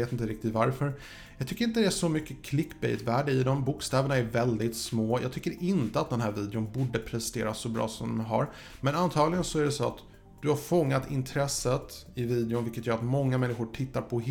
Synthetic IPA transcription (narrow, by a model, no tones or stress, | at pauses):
eːt̪ɪnt̪əɾɪk̚t̪ɪt̪vaɾfœɾ | jɑɡt̪ʰʏkːəɾɪnt̪əd̪ɛæʂɔmʏkːəkʰlɪkːbɛ̰jt̪væːɖəɪd̪ɔmbuːkst̪ɛːvəɳaæɾvɛld̪ɪt̪smoːjʔɑ̰ɡ̚t̪ʰʏkːəɾɪnt̪əat̪̚d̪ɛnɦæːɾviːd̪ɛʊnbuːɖəpʰɾɛst̪ḛːɾasːɔbɾɑ̰ːsɔmdd̪ɔɦa̰ɾ | mɛnant̪ʰɑːɡlɪɡənsɔæɖɛsoːa̰t̪ | d̪̥ɵhaɾfɔŋːat̪ɪ̰nt̪ʰɾɛsːət̪ɪviːd̪ɪʊnvɪlkːət̪jœːɾat̪mɔŋːamɛnːɪɧʊʈʰɪt̪ːaɾpʰɔ